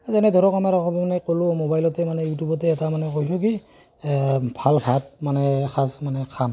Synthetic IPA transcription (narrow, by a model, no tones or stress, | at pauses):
zɛnɛdʱɔɾɔkamaɾakʰɔbɔmanɛkolʊmobajlɔtɛmanɛjutubɔtɛːtamanɛkojsuki | bʱalpʰat̚manɛkʰazmanɛkʰam